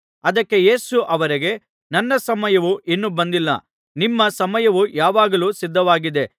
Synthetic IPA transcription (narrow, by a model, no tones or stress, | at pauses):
ɐd̪ɐkːe̞je̞ːsuʔɐʋɐɾiɡe̞ | nɐnːɐsɐmɐjɐʋuʔinːubɐnd̪ilːɐ̰ | nimːɐsɐmɐjɐʋujaːʋaːɡɐluːsid̪ʱːɐʋaːɡid̪e̞